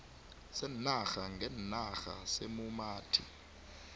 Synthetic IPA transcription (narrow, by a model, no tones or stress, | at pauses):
sɛnnaxaŋʱɛnnaxa̰semumaːtʰḭ